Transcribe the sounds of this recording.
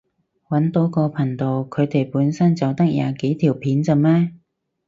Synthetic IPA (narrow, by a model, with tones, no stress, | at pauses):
wɐ˨˥nt̪o˨˥wkɔː˧pʰɐ˨˩ŋt̪o˨wkʰɵ˨˧ɥt̪e˨˩jpuː˨˥nsɐ˥nt͡sɐ˨wt̪ɐ˥k̚jaː˨˧ke˨˥jt̪ʰiː˨˩wpʰiː˨˥nt͡sɐ˨˧mɛː˥